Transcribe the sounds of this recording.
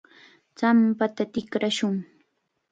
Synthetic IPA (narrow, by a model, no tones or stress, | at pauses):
t͡sampat̪at̪ɪkɾaʃʊŋ